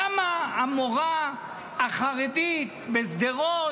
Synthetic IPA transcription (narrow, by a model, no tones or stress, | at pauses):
amaamoʁa | aχaʁit̪it̪besd̪eʁo